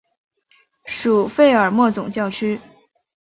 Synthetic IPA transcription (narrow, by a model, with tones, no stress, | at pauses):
ʂu˨˩fe˥˩ɪə˞˨˩mwɔ˥˩t͡sʊ˨˩ŋt͡ɕjɑ˥˩ʊʈ͡ʂʰy˥